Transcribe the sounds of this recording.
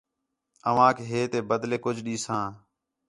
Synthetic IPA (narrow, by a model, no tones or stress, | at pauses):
əʋãːkʰeɦeːt̪eːbəd̪leːkʊd͡ʒʱɗiːsãː